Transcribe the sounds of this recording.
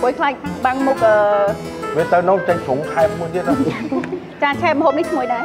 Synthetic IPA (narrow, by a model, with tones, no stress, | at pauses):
ku˨˩əjkʰlaː˧c̚ɓa˧ŋmʊ˧k̚ʔəː˧˩ | vi˧˩ət̪ə˧no˨˦˨t͡ɕə˧ŋsʰu˨˩˦ŋtʰa˧p̚ːu˧jt̪i˥ət̚ɗo˧ | t͡ɕaː˧˩t͡ɕʰɛː˧p̚mə˨ɦoː˧p̚ni˦˥ht̪ʰmu˧˩əjɗa˧